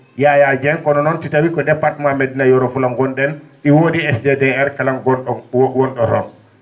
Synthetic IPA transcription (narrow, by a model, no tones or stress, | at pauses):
jajad͡ʒɛnkɔnɔnɔntitawikɔdɛpːaɾtmamedinajɔɾɔfulaŋɡɔndɛnɗiwoːdiɛsdedɛɛɾkalaŋɡɔnɗɔwɔnɗɔɾɔ̰n